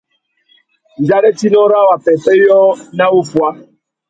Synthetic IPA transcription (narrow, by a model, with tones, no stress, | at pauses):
n̩˨d͡ʒa˦ɾe˦ti˦nɔ˦ɾa˦˨wa˨pɛ˨pe˦jɔ˦na˦u˦fwa˦